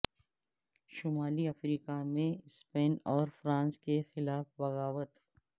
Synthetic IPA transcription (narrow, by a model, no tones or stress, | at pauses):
ʃʊmaːliɐfɾiːkamẽspeːnɔːɾfɾãːnskexɪlaːfbɐɣaːʋət̪